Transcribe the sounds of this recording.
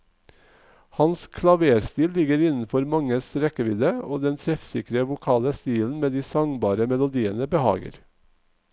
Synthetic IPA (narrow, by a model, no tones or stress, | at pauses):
hɑnskʰlɑʋeːɾst̪iːllɪɡəɾɪnn̩fɔɾmɑŋəsɾɛkəʋɪd̪əoːd̪ɛnt̪ʰɾɛfsɪkɾəʋʊkʰɑːləst̪iːln̩meːd̪iːsɑŋbɑːɾəmɛlʊd̪iːənəbəhɑ̰ːɡə̰ɾ